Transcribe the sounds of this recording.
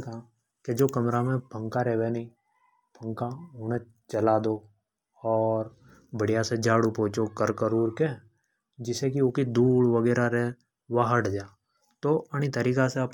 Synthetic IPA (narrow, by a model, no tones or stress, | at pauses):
ka | ked͡ʒoːkɐmɾamẽbʱə̃ŋkaɾɛːʋenĩ | b̥ʱə̃ŋkaʊːnẽ | t͡ʃɐlaːd̪o | ɔːɾ | bəɽijased͡ʒaːɽupɔ̃ːt͡ʃokəɾkəɾuːɾke | d͡ʒɪsekioːkid̪uːɽʋəɡɛːɾaɾe | ʋaɦəɽd͡ʒaː | t̪oʔəɽ̃it̪əɾiːkaseɐp